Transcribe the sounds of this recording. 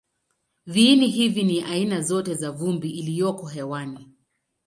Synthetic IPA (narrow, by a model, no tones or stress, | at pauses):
viniɦiviniʔainazɔtɛzavumbiʔːlijɔkɔɦɛwani